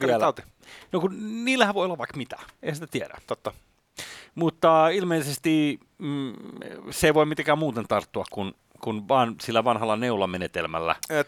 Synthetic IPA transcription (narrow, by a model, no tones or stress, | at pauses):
ælːt̪i | nokunniːlːæhæʋʋoˑiolːɑʋʋɑikmit̪æ̥eihæsit̪æt̪ieɾæ̰t̪ot̪ːɑ | mut̪ːɑilmeisest̪i | seˑiʋoimit̪eŋkæːmmuːt̪ent̪ɑrt̪ːuɑkkun | kunʋɑːnsilːæʋɑnhɑlːɑneulɑmenet̪elmæ̰lːæ̰